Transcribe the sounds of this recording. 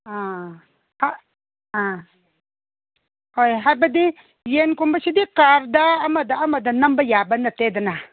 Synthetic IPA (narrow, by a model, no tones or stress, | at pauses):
a | ha | a | ojɦabɐd̪i | jenkumbɐʃid̪ikaɾd̪aːmɐd̪aamɐd̪anɐmbɐjaːbɐnːat̪ed̪ana